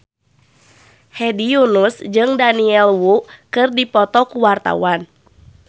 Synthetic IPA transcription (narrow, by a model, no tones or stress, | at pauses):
hɛdijunusd͡ʒɨŋdaniɛlwuʔkɨrdipɔt̪ɔkuwart̪a̰wan